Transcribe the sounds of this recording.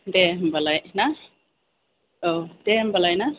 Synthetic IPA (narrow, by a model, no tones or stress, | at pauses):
dɛmbalajna | odɛmbalajna